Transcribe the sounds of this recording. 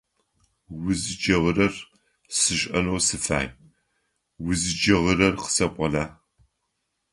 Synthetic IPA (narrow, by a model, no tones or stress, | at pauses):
wʊzɨd͡ʒɐʁəɾɐr | sɨɕʼɐ̰nowsɨfa̰ːj | wʊzɨd͡ʒɐʁəɾɐrqə̥sɐqʷʼɔɮaː